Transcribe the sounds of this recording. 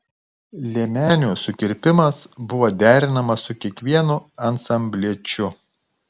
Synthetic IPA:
lʲiɛmʲæːnʲuːsʊkʲɪɾʲpʲɪmɐsbʊʋoːd̪ʲæːɾʲɪnɐmɐsʊkʲiɛkʋʲiɛnʊɐnsɐmʲbʲlʲiɛt͡ʃʲʊ

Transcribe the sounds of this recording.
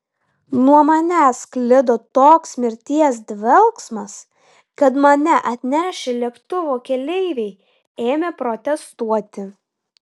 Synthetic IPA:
nuɔmɐnʲæːsklʲɪd̪oːt̪oːksmʲɪɾʲt̪ʲiɛs̬d̪ʲʋʲɛlˠksmɐs | kɐt̪mɐnʲɛʔɐt̪ʲnʲæːʃʲɪlʲiɛkt̪ʊʋoːkʲɛlʲɛɪʋʲɛɪ | eːmʲeːpɾɔt̪ʲɛst̪uɔt̪ʲɪ

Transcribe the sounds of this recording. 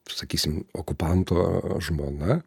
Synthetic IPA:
sɐkʲiːsʲɪmo̰kʊpɐnt̪oːʒmoːnɐ

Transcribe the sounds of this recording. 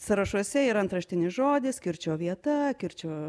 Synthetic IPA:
sɐɾɐʃuɔsʲɛiːɾɐnt̪ɾɐʃʲt̪ʲɪnʲɪʒoːd̪ʲɪskʲɪɾʲt͡ʃʲoːʋʲiɛt̪ɐkʲɪɾʲt͡ʃʲoː

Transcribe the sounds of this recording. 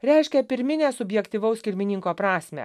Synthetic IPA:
ɾʲɛɪʃʲkʲɛpʲɪɾʲmʲɪnʲeːsʊbʲjɛkt̪ʲiːʋɐʊskʲɪɾʲmʲɪnʲɪŋkoːpɾɑːsʲmʲɛ̰

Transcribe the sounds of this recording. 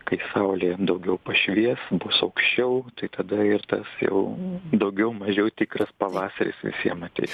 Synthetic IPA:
kɐɪsɐʊlʲeːd̪ɐʊɡʲɛʊpɐʃʲʋʲiɛsbʊsɐʊkʃʲt͡ʃʲɛʊt̪ɐɪt̪ɐd̪ɐɪrt̪ɐsjɛ̰ʊd̪ɐʊɡʲɛʊmɐʒʲɛʊt̪ʲɪkrɐspɐʋɑːsɐɾʲɪ̰sʋʲɪ̰sʲiɛmɐt̪ʲɛ̰ɪs

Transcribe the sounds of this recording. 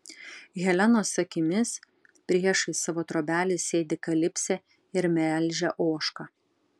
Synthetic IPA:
ɣʲɛlʲɛnoːsɐkʲɪmʲɪs | pʲɾʲiɛʃɐɪsɑʋoːt̪ɾoːbʲæːlʲɪsʲeːd̪ʲɪkɐlʲɪpʲsʲɛ | ɪɾmʲɛlʲˑʒʲɛʔoːʃkɐ

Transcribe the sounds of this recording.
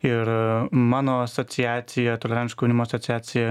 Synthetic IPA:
ɪɾmɑːnoːɐsot̪sʲɪjæːt̪sʲɪjɛt̪olʲɛɾʲɛnʲʃkonʲɪmoːsot̪sʲaːt̪sʲɪjɛ

